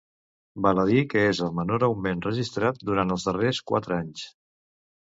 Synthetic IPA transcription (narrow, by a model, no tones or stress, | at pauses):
baləðikəezəlˠmənoɾəwmenrəʒist̪ɾat̪̚d̪uɾant̪əlˠzðəreskwa̰t̪ɾəaɲs